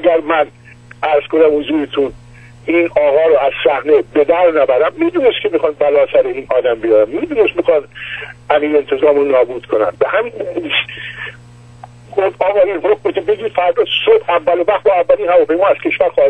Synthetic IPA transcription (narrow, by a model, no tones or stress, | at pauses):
æɡæɾmæn | ʔæɾz̥ko̞næmhozuːɾet̪ʰun | inɒːɣɒːɾoæzsæhne̞be̞d̪æɾnæbæɾæmːid̪uːnest̪kʰʲe̞mixɒːnbælɒːsæɾeiːnʔɒːd̪æmbijɒːɾæmmid̪uːne̞st̪mixɒːnæmiːjent̪ʰezɒːmonɒːbuːd̪̥kʰonæ̰n̚behæminis | xofɒːɣɒːinhokmekʰebeɟiːd̪fæɾd̪ɒːsobævːælovæxt̪bɒːævːælinhævɒːpʰejmɒːæz̥cʰe̞ʃvæɾxɒːh